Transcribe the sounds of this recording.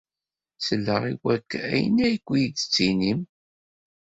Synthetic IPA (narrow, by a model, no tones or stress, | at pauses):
səlːəʁḭwækːæ̰jə̰næjəkʷːijidə̥t͡sːinim